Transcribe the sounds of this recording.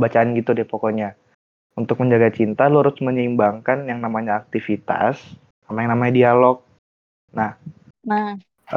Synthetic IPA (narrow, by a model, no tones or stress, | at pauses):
bat͡ʃaːnɡit̪udɪpokɔɲa | unt̪ʊk̚məɲd͡ʒaɡat͡ʃint̪aloɾʊsməɲimbaŋkanjaŋnamaɲaːk̚t̪ifit̪a̰s | amajaŋnamaɲadialɔk̚ | nah | na